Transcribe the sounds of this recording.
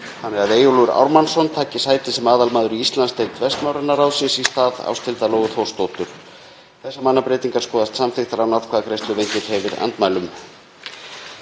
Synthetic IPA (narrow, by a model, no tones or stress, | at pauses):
hanːɛɾaðeːjʏluɾa̰wɾmansɔnt̪ʰaːcɪsaːjt̪ɪsɛmaːðalmaːðʏɾiist̪lanst̪ejt̪vɛst̪mawɾɛnaɾawsɪnsist̪aːða̰wst̪ʰɪlt̪aloːwɣʏθowst̪owt̪ʏɾ̥ | θɛsːamanːapɾeːjt̪iŋkḁskɔːðast̪samfɪxt̪aɾawnaɾkʰvaːðkʰɾejst̪ʏvejɲcɪɾ̥hɛvɪɾa̰nt̪maːjlʏm